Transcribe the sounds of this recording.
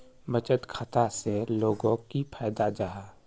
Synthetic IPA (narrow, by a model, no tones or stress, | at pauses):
mɐt͡ʃət̪kʰɐt̪aseloːɡõkipʰɛːd̪ad͡ʒaɦaː